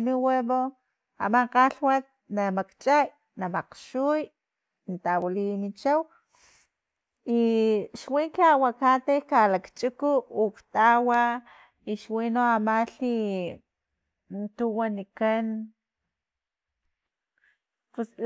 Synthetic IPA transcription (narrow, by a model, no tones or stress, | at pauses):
niweβo | a̰maqaɬwat̪̚namakt͡ʃʼaj | namaqʃuj | nt̪awalinit͡ʃaw | iʃwiŋkiawakat̪ekalakt͡ʃʼikuːkt̪awa | iʃwinoamaɬi | nt̪uwanikan | pus